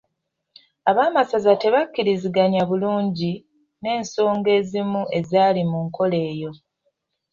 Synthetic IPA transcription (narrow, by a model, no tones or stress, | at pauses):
aβaːmasazate̞βakːiɾiziɡaɲaβuluːɲɟi | ne̞ːnso̞ːŋɡe̞ːzimuʔe̞zaːlimuŋko̞le̞ːjo̞